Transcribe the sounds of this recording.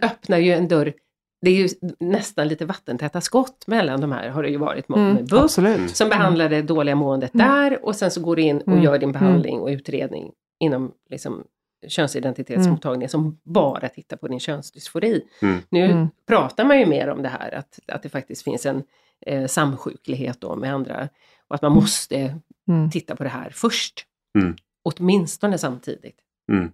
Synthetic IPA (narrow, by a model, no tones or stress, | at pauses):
œpnaɾjɵɛnd̪œɾ | d̪ɛæɾjɵnɛst̪anliːt̪əvat̪ːənt̪ʰɛt̪ːaskɔt̪ːmɛlːand̪ɔmhæ̰ːɾɦaɖɛjɵvɑ̰ːɾɪ̰t̪mɔmɛbɵsɔmbɛɦand̪lad̪ɛd̪oːlɪɡamoːɛnd̪ət̪̚d̪æːɾɔsɛnsɔɡoːdɵɪnːɔjœːɖɪnbɛɦand̪lɪ̰ŋɔ̰ʉ̟ːt̪ɾḛːd̪nɪ̰ŋ | ɪnːɔmlɪksɔ̰m | ɕœnsɪd̪ɛnt̪ɪt̪ʰeːt̪smʊt̪ʰːɑːɡnɪŋsɔmbɑːɾʔat̪ʰɪt̪ːaɾpʰɔd̪ɪnɕœnsd̪ʏsfʊɾiːnʉ̟ːpʰɾɑːt̪aɾmanjɵmḛːɾɔ̰md̪ɛɦæ̰ːɾa̰t̪a̰t̪̚d̪ɛfak̚t̪ɪst̪fɪ̰nsɛn | samːɧʉ̟ːkʰlɪɡɦḛːt̪̚d̪ɔ̰mɛand̪ɾa̰ | ɔat̪manmɔst̪ət̪ʰɪt̪ːapʰɔd̪ɛɦæ̰ːɾfœʂʈ | ɔt̪mɪnst̪ɔnəsamt̪ʰḭːd̪ɪ̰t̪